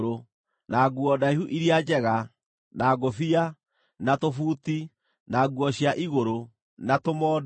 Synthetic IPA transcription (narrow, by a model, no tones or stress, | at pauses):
ɾo | naːɡuɔdaihuʔiɾiad͡ʒɛɣa | naːɡofia | natofuːti | naɡuɔɕjaʔiɣoɾo | natomɔːd